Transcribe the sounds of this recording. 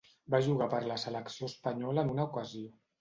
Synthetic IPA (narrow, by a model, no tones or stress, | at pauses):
baʒuɣ̞apəɾləsələksioəspəɲɔləːnunəukəzio